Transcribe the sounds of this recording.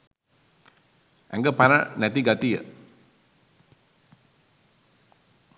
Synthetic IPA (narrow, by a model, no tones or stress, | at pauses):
ʔɛ̰̃ŋɡəpaɾã̰nɛt̪iɡat̪ijə̰